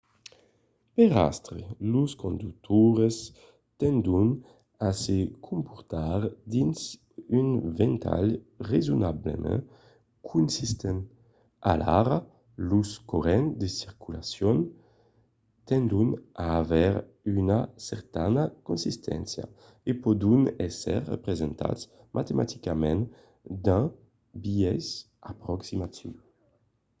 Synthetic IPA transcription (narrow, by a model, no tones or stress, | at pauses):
peʁa̰st̪ɾeluskond̪uk̚t̪ʰuɾes | t̪ɛnd̪un | asekʰumpuɾt̪aɾd̪ins | ynvent̪ʰa̰lrezunablḛmɛ̰ | kʰunsist̪en | a̰laɾa | luskoɾɛnd̪esiɾkʰulasjɔn | t̪ɛnd̪unaːvɛɾ | ynasɛɾt̪anakunsist̪ʰɛ̰nsja̰ | epod̪unɛsɛɾːə̰pɾezent̪ʰa̰t̪s | mʔat̪emʔat̪ikamɛ̃n | d̪ã | biɛs | apɾɔksimat̪ʰiw